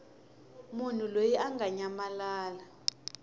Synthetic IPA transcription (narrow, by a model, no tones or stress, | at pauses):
mun̤ulojiʔaŋɡʱaɲamalaːla